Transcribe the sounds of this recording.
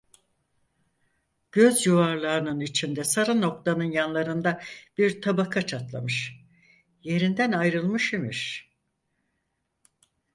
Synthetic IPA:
ɟ̥ø̞zjuvaɾlˠaɯnɯnit͡ʃʰind̪ɛsaɾano̞k̚t̪ʰanɯnjanlˠaɾɯnd̪ab̥iɾt̪ʰabakʰat͡ʃʰat̪lˠa̰mɯʃ | je̞ɾind̪ænajɾɯlˠmɯʃemḭɾ̥

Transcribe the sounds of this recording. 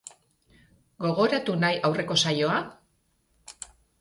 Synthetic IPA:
ɡo̞ɣ̞o̞ɾat̪unajʔawre̞ko̞sajo̞a

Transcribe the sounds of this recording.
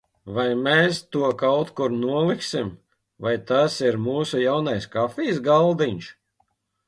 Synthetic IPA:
vajmeːst̪uɔkawt̪kuɾnuɔlˠiksim | vajt̪asiɾmuːsujawnajskafʲiːsɡalˠd̪iɲʃ

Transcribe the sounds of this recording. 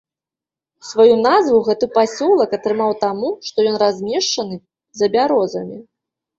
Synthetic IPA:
svajunazvuwɣɛt̪ɨpasʲɔlˠɐkɐt̪ɾɨmawt̪amuʂt̪ɔjɔnrazʲmʲɛʂt͡ʂɐnɨ | zɐbʲaɾɔzɐmʲi

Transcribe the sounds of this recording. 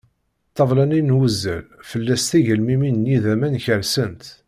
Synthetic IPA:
t̪ˤːɑvˤlæninwəzːæ̰lfəlːæst̪iʝəlmiminnjiðæmænçəɾsənt̪

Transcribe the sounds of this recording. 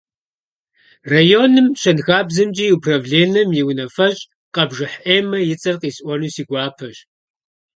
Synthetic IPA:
rajoːnɨmɕɐnxaːbzɨmd͡ʒʼiːjupʰrɐvɮeːnɐmjɪwnɐfɐɕʼ | qɐbʒɨħʔeːmɐjɪt͡sʼɐrqiːsʼʔʷɔnuːsiːɡʷaːpʰɐɕ

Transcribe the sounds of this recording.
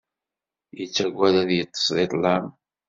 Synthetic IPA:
jət͡sːæɡʷːæðæðjət̪ˤːə̥sðˤet̪ˤlam

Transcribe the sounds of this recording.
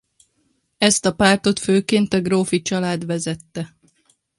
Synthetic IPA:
ɛst̪ɒpaːrt̪o̞t̪føːkeːnt̪ɒɡroːfit͡ʃɒlaːd̪ʋɛzɛt̪ːɛ

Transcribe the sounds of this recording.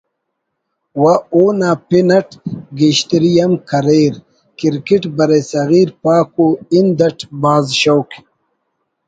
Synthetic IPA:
waoːnaːpinɐʈɡiɕt̪ɾijɐmkʰɐɾeːɾ | kiɾkiʈbɐɾesɐɣiːɾpaːkoind̪ɐʈʰbaːzɕowk

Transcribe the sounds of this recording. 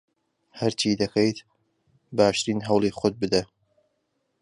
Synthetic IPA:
hɐɾt͡ʃʰiːd̪ɐkʰejt̪ | baːʃt̪ɨɾiːnɦɐwlˠiːxot̪̚bɨd̪ɐ

